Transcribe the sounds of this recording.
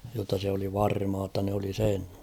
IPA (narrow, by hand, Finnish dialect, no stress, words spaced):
jotːɑ se oli ʋɑrmɑː tːɑ nĕ oli sen